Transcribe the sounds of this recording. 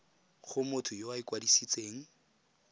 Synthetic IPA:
χʊmʊtʰʊjowaikwadisit͡sʼeːŋ̩

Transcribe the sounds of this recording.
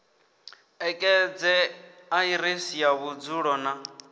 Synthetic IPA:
ɛkʼɛd͡zɛaiɾesijaβud͡zuɺɔna

